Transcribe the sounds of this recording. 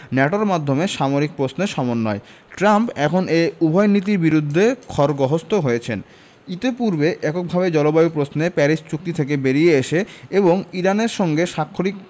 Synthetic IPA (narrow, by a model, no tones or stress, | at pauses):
nɛʈoɾmad̪ʱːomeʃamoɾik̚pɾosneɾʃɔmonːɔe | ʈɾampɛkʰoneubʱɔjnit̪̬iɾbiɾud̪ʱːekʰɔɾɡɔɦost̪oɦojet͡ɕʰen | it̪epuɾbeʔɛkok̚bʱabed͡ʑɔlobajop̬ɾosnepɛɾiʃt͡ɕuk̚t̪it̪ʰek̬ebeɾijeeʃeeboŋiɾaneɾʃɔŋɡeʃakʰːolik